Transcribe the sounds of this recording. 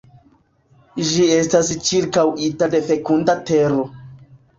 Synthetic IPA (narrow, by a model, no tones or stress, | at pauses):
ʒie̞stast͡ʃiɾkawitade̞fe̞kundateɾo̞